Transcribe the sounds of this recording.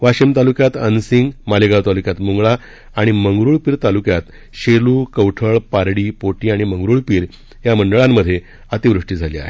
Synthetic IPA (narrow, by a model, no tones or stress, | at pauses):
ʋaɕimt̪alukjat̪ə̰nsiŋɡmaleɡawt̪alukjat̪muŋɡɭaː | ɽ̃iməŋɡɾuːɭpiːɾt̪alukjat̪ | ɕeluːkəwʈʰəɭpaɾɽiːpoʈiːaɽ̃iməŋɡɾuɭpiːɾ | jaməɳɖəɭamːəd̪ʱːje | at̪iʋɾuʂʈiːd͡zʱalia̰ɦe